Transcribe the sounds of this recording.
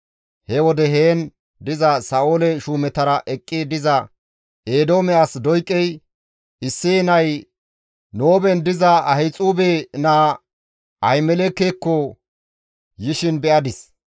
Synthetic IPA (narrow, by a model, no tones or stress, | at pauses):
hɛwɔd̪ɛɦeːn | d̪ɪzɐsɐʔoːlɛʃuːmɛt̪ɐɾɐʔɛkʼːɪd̪ɪzɐ | ʔeːd̪o̞ːmɛasd̪ɔjkʼːɛj | ɪsːɪnɐj | noːbɛnd̪ɪzɐɐhɛt͡sʼuːbenaː | ʔɐjmɛlekːeːkːɔ | jɪʃɪnbɛʔɐd̪ɪs